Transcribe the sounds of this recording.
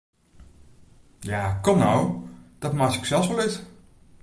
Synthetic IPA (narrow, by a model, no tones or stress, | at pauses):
jaːkɔmnɔwd̥ɑtmatɪksɛlˠfsʋɛlɪt